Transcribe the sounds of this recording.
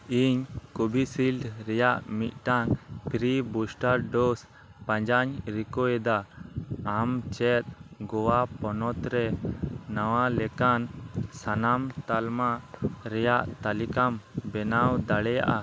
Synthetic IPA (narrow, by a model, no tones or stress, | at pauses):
iɲkubʱisilɖɾɛjaʔmit̪̚ˀʈaŋpʰɾibusʈaɾɖɔs | pãɲd͡ʒaɲɾikɔjɛd̪aː | mt͡ʃɛt̪̚ɡɔwapɔnɔt̪ɾɛː | awalɛkansanamt̪almaɾɛjaʔt̪alikambɛnawd̪aɽɛja̰ʔa